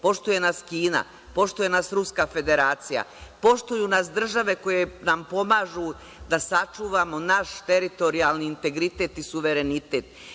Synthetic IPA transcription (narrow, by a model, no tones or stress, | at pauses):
po̞ʃt̪uje̞naskiːna̰ | po̞ʃt̪uje̞nasɾuskaːfe̞d̪e̞ɾaːt̪sija̰po̞ʃt̪ujunasd̪r̩ʒaʋe̞ko̞je̞nampo̞maʒu | d̪asat͡ʃuːʋamo̞naʃt̪e̞ɾit̪o̞ɾialniːnt̪e̞ɡɾit̪e̞t̪isuʋe̞ɾe̞nit̪e̞ːt̪